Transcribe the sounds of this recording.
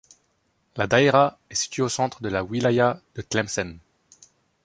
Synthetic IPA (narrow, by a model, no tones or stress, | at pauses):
lad̪aeʁa | ɛsi̥t̪ɥeosɑ̃t̪χəd̪əlawilajad̪̥əklɛmsɛn